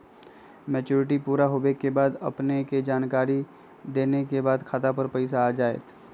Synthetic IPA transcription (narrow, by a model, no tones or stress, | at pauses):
mɛːt͡ʃuːɾɪʈipuːɾaɦobekebaːd̪ɐ̰pneked͡ʒaːnkaːɾi | d̪eːnekebaːd̪kʰat̪apəɾpɐɪs̬aːd͡ʒaːḛːt̪